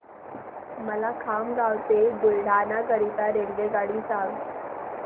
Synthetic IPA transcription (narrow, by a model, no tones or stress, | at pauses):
məlakʰamɡawt̪ed̪ulɽ̤ʱanakəɾit̪aɾeŋɡeɡaɽiːsaŋ